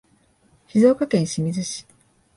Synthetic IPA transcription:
çizo̞ːkakẽ̞ɰ̃ɕimʲizɨɕi̥

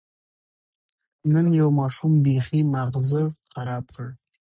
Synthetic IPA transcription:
nɨnjawmaʂumbeχimaʁzɨzqɑɾaːpqəɻ

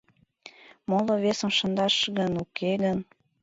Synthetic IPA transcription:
molŏβesə̆mʃə̆nd̪ɑʃɣənukʰeɣən

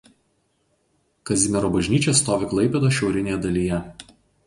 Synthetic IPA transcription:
kɐzʲɪmʲɛɾoːbɐʒʲnʲiːt͡ʃʲest̪oːʋʲɪklˠɐɪpʲed̪oːʃʲɛʊɾʲɪnʲeːjɛd̪ɐlʲijɛ

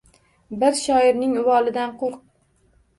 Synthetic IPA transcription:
bɪɾʃɒɪɾnɪŋʊvɒlˠɪd̪anqʰoɾq̚

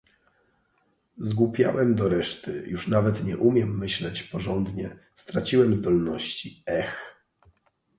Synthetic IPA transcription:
zɡupʲja̰wɛmd̪ɔɾɛʂt̪ɘjuʂnavɛt̪ɲɛʔumʲjɛmːɘɕlɛt͡ɕpɔʐɔnd̪ɲɛst̪ɾat͡ɕiwɛmzd̪ɔlnɔɕt͡ɕiɛx

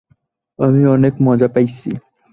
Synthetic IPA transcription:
amiɔnekmɔd͡ʑapajt͡ɕʰḭ

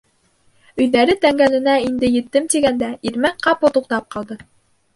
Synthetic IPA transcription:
ɵ̆jðæɾɘt̪æŋɡælɘ̆næind̪ɘjɘ̆t̪ːɘmt̪iɡænd̪æiɾmækqɑpot̪uq̚t̪ɑp̚qɑlˠd̪ɤ

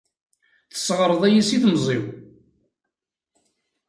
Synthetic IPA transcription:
θə̥sːʁəɾˤəðˤæjisiθmzˤiw

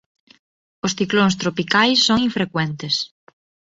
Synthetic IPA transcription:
ʊsθikloŋst̪ɾopikajsːoŋĩɱfɾekwɛnt̪es

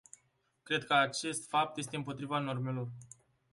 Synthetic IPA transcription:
kɾe̞d̪̚kəat͡ʃe̞st̪fap̚t̪je̞s̬t̪eɨmpo̞t̪ɾivano̞rme̞lo̞r

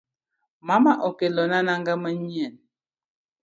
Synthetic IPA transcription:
mamaʔokelɔnanaŋɡaməɲiɛn

